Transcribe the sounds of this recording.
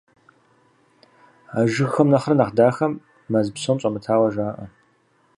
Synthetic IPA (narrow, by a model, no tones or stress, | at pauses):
aːʒɨxɐmnɐχrɐnaχdaːxɐmː | ɐzɨpsoːmɕʼɐmɨtʰaːwɐʒaːʔɐ